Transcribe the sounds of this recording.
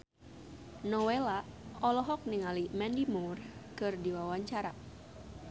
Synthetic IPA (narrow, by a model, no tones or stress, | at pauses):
nɔwelaɔlɔɦɔk̚niŋalimɛndimurkɨrdiwawaɲt͡ʃaɾa